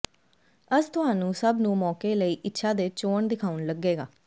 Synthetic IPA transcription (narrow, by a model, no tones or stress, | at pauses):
əst̪ʊɦaːnũːsəbnũːmɔːkeːləiːʔɪtːʃʰaːd̪eːt͡ʃoːɳd̪ɪkʰaːʊnləɡːeːɡaː